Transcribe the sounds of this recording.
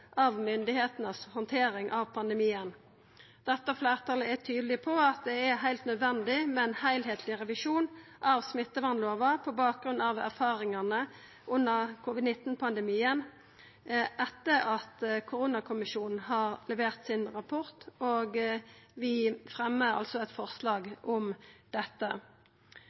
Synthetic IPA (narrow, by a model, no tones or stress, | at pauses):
ʔɑʋmʏnd̪ɪheːt̪nəshɔnt̪ʰeːɾɪŋʔɑʋpʰɑnd̪ɛmiːən | d̪̥ɛt̪ːəflæːʁt̪ʰɑləæt̪ʰyːd̪lɪpʰɔɑt̪̚d̪ɛæɦæɪlt̪nœd̪ʋɛnd̪ɪmɛnhæɪlɦeːt̪ʰlɪʁɛʋɪʂuːnʔɑʋsmɪt̪ːəʋɑnloːʋəpʰɔbɑːk̚ɡɾʉnɑʋæ̰ʁfɑːɾɪŋɑnə | ʔʉnːəʁkʰuːʋɪd̪nɪt̪ːn̩pʰɑnd̪ɛmiːən | ʔɛt̪ːəɾɑt̪kʰʊʁuːnɑkʰʊmɪʃuːnn̩ɦɑːʁlɛʋeːʁt̪sɪnʁɑpʰʊʁt̪oːɡʋɪfʁɛmːəʁɑ̰lsɔɛt̪fɔʁslɑːɡɔmd̪̥ɛt̪ːə